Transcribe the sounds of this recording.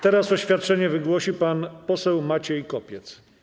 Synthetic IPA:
t̪ɛɾasɔɕfʲjat̪̚t͡ʂɛɲɛvɘɡwɔɕipanpɔsɛwmat͡ɕɛjikɔpʲjɛt̪s

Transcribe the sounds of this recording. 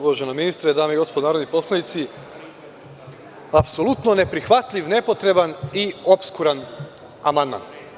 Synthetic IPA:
uʋaʒenominist̪ɾed̪aːmeiɡo̞spod̪onaːɾod̪nipo̞slait̪si | apso̞lut̪nonepɾixʋat̪ʎʲiʋne̞po̞t̪ɾe̞banio̞pskuɾan | amand̪ma̰n

